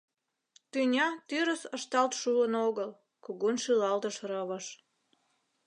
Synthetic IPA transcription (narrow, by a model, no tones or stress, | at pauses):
t̪ynʲɑt̪yɾəsəʃt̪ɑlt̪ʃuənoɣəl | koɣonʃylɑlt̪əʃrəβəʃ